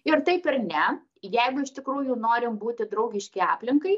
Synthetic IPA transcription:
ɪɾt̪ɐɪpɪrnʲɛ | jɛɪɡʊɪʃt̪ʲɪkɾuːjʊnoːɾʲɪmbuːt̪ʲɪd̪ɾɐʊɡʲɪʃʲkʲɪɑ̰ːpʲlʲɪŋkɐɪ

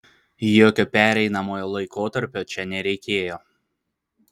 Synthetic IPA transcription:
joːkʲopʲæːɾʲɛɪnɐmoːjoːlˠɐɪkoːt̪ɐɾʲpʲoːt͡ʃʲɛnʲɛɾʲɛɪkʲeːjoː

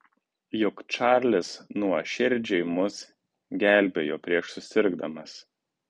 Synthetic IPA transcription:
jʊkt͡ʃɑɾʲlʲɪsnuɔʃʲɪɾʲd͡ʒʲɛɪmʊs | ɡʲæˑlʲˑbʲeːjoːpʲɾʲiɛʃsʊsʲɪɾɡd̪ɐmɐs

